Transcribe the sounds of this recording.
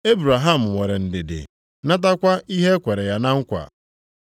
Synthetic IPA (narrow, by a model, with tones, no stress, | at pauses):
e˦bɾa˨ɦa˦˨m̩˨wʷe˨ɾe˨n̩˨dɪ˨dɪ̰˨ | na˦t̬a˦kʷa˦i˦ɦe˦kʷe˨ɾe˨ja˨na˦ŋ̩˦kʷa̰˨